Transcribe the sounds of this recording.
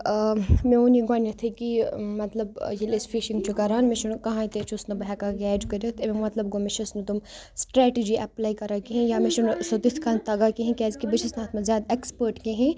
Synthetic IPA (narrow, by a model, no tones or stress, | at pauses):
mẽoniɡaːnɐt̪ʰɐkimɐt̪lɐbjelesfʰiʃiŋɡt͡ʃʰukɐɾaːnmeʃunkɐɦãːĩt̪eːt͡ʃʰusnɐbɐɦɛkaɡɛːd͡ʒkɐɾʲot̪ʰememɐt̪lɐbɡomet͡ʃʰusnɐt̪um | sʈɾɛːʈid͡ʒiʔɐplaːikɐɾakeɦẽjaːmeʃunsot̪iskʰant̪ɐɡakeɦẽkʲɛːzkibɐt͡ʃʰisnaːt̪mɐzʲjaːd̪ekspəɾʈkeɦẽ